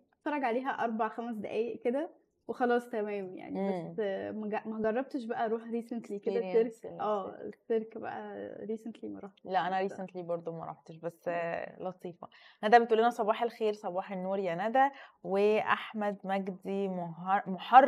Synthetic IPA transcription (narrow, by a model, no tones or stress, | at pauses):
fɑɾˤːɑɡʕaleːɦæʔɑɾˤbɑʕxæmæs̬d̪eʔæːjeʔked̪æ | wexɑlɑːsˤt̪æmæːmja̰ʕnibæsːmæɡæmæɡɑrˤːɑb̚t̪eʃbæʔæɾˤuːħɾiːsent̪liːked̪æeɾkʔæːḛsːeɾkbæ̰ʔæ̰ɾiːsent̪limæɾˤɑħlæʔænæɾiːsent̪libɑɾˤd̪ˤomæɾˤɑ̰ħt̪eʃbæsːlɑt̪ˤiːfɑ̰næd̪æbet̪ʔuːlenæsˤɑbɑːħelxeːɾsˤɑbɑːħenːoːɾjænæd̪æweʔaħmæd̪mæɡd̪imoɦmoħɑrˤ